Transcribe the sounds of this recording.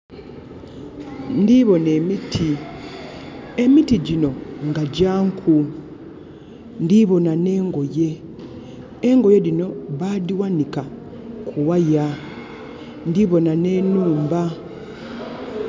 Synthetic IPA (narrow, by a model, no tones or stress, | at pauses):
ndiβo̞ne̞ːmitʰi | e̞mitiɟino̞ŋɡaɟaːŋkʰu | ndiβo̞nane̞ːŋɡo̞je̞ | ŋɡo̞je̞ɾino̞βaðiwanika | kʰuwaja | ndiβo̞nane̞ːnuːmba